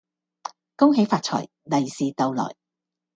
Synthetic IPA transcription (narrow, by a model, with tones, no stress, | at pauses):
ko˥wɦe˨˥jfaː˧t̚t͡ʃʰɔ̰ː˨˩j | nɐ˨jsiː˨˧t̪ɐ˨˧wlɔ̰ː˨˩j